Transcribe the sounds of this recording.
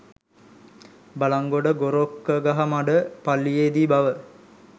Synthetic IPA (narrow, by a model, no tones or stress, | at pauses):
balaŋɡoɖəɡoɾokːəɡaɦamaɖəpalːijed̪ibaʋə